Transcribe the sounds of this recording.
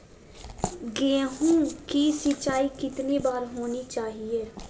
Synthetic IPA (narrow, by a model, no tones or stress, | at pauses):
ɡeɦũːkiːsɪt͡ʃaːiːkɪt̪niːbaːɾɦoːniːt͡ʃaːɦieː